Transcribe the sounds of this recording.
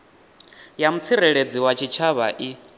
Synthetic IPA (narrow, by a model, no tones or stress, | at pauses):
jamut͡sʰiɾɛɺed͡ziwat͡ʃʰit͡ʃʰaβa̰ʔi